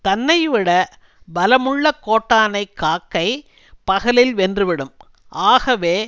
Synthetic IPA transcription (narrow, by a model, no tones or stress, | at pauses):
t̪ɐnːɐjʋɪɽɐ | bɐlɐmʊɭːɐkːoːʈːaːnɐɪkːaːkːɐɪ | pɐɣɐlɪlʋɛndrɯʋɪɽɯm | ʔaːɣɐʋeː